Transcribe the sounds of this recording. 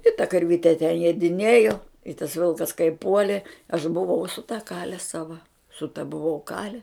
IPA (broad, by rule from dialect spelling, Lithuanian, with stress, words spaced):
ɪ tɐ kɐrʲˈʋʲɪtʲɛ tʲɛ jiɛdʲɪˈnʲiɛjoː ɪ tɐs ˈʋʲɪlˠkɐs kɐɪ ˈpuɔlʲɪ ɐʃ bʊʋɐʊ sʊ tɐ kɐlʲɛ sɐʋɐ sʊ tɐ bʊˈʋɐʊ ˈkɑːlʲɛ